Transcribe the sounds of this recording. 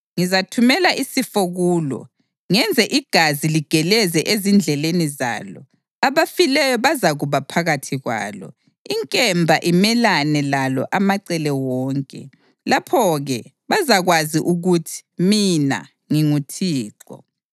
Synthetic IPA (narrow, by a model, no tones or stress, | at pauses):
ŋizatʰumɛlaʔisifoɣuːlɔ̰ | ŋɛnd͡zʱɛʔiɡ̥ʱaziliɡ̥ʱɛlɛzɛʔezind͡ɮʱɛleniza̰ːlɔ̰ | aβafilɛjɔβazaɣuβapʰaɣatʰiɣwa̰ːlɔ̰ | iŋkʼɛmbʱaʔimɛlanɛlalɔ̰ʔamaǀɛlɛwɔːŋkʼɛ̰ | lapʰɔɣɛ | βazaɣwaziʔuɣutʰi̥mina̰ | ŋiŋutʰiːǁɔ̰